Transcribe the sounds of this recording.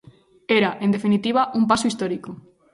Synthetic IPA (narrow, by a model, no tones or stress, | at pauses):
eɾaʔend̪efinit̪iβ̞aʔumpasoist̪ɔɾiko